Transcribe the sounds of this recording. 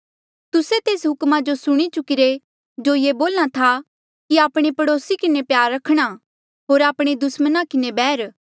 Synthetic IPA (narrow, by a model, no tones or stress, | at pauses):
t̪ʊset̪eːsɦʊkmad͡ʒosʊɽ̃it͡ʃʊkɪɾe | d͡ʒojeːboːlɽ̃at̪ʰa | kiaːpɽ̃epɐɽoːsikɪnepjaːɾːɐkʰɽ̃a | ɦoːɾaːpɽ̃ed̪ʊsmənakɪnebɛːɾ